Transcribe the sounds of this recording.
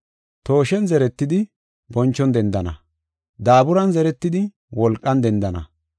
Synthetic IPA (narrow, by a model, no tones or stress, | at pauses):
t̪o̞ːʃɛnzɛɾɛt̪ːɪd̪ɪ | bɔnt͡ʃːɔnd̪ɛnd̪ɐnɐ̰ | d̪aːbʊɾɐnzɛɾɛt̪ːɪd̪ɪ | wɔlkʼːɐnd̪ɛnd̪ɐnɐ̰